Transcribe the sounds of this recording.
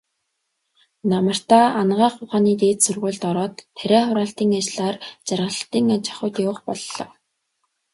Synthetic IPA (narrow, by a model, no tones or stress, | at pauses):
namə̆r̥t̪aːanɢaːχʊχaːniːt̪eːt̪sɵrʁʊːɮt̪ɔɾɔːt̪ʰːæɾʲæːχʊɾaːɬt̪iːŋat͡ɕɮaːrt͡ɕarʁə̆ɬt̪iːŋat͡ɕḁ̆χʊ̆ːt̪jʊːχpɔɮːɞ̰̆